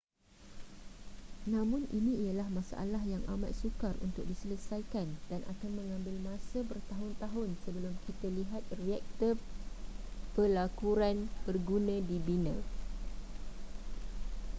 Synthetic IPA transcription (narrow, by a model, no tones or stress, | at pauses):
nãmʊ̃nʔinĩijalahmãsa̰ʔa̰lahjaŋʔa̰mã̰t̪̚sukarṵnt̪ʊk̚disələsajkandanʔa̰kanmə̃ŋãmbɪlmãsabərt̪aɦʊnt̪aɦʊnsəbəlʊmkʰit̪aliɦat̪̚riɛk̚t̪ə | pəlakuɾanb̥ərɡunãdibinã